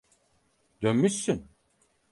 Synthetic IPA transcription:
d̪ønmysyn

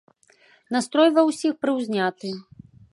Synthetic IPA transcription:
nast̪ɾɔjvɐwsʲixpɾɨwzʲnʲat̪ɨ

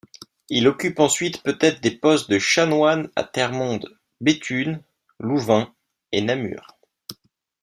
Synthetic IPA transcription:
ilɔkʲypɑ̃sɥit̪pøt̪ɛt̪χd̪epɔst̪̚d̪əʃanwana̰t̪ɛʁmɔ̃d̪ | bet̪ʰyn | luvɛ̃ | enamy̰ːʁ

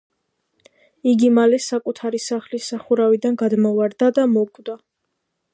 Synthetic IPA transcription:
iɡimalɛsakʼut̪ʰaɾisaχlisaχuɾavid̪anɡad̪mɔvaɾd̪ad̪amɔkʼd̪a

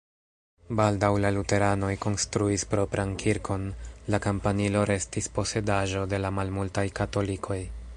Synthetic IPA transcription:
baldawlalute̞ɾano̞jko̞nstɾuispɾo̞pɾʔankʰiɾkʰo̞nlakampanilo̞ɾe̞stispo̞se̞daʒo̞de̞lamalmultajkato̞likʰo̞j

